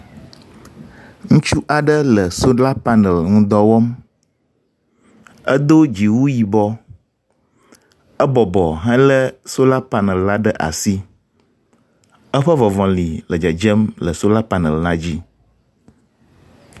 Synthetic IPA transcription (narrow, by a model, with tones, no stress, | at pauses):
ŋũ˦t͡ʃu˦ʔa˨ɖə˦lə˨so˦la˦pa˦nə˨lŋũ˦d̪ɔ˦wɔ˦m | ə˦d̪o˦d͡ʑi˨wu˦ji˨bɔ˦ | ə˦bɔ˨bɔ˨ɦɛ̃˦lə˦so˦la˦pa˦nə˨lːla˦ɖə˦ʔa̰˨si˦ | ə˦ɸə˦vɔ˨vɔ̃˨li˨lə˨d͡ʒə˨d͡ʒə˦mlə˨so˦la˦pa˨˦nə˨lnã˦d͡ʑi˦